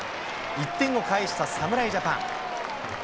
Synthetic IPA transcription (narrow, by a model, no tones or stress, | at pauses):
it̪ːẽ̞ŋɡo̞kaiɕi̥t̪asamɯ̟ɾaiʑapã̰ŋ